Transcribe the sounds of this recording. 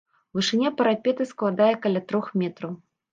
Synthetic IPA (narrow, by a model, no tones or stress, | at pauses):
vɨʂɨnʲapɐɾapʲɛt̪ɨsklˠad̪ajɛkɐlʲat̪ɾɔxmʲɛt̪ɾɐw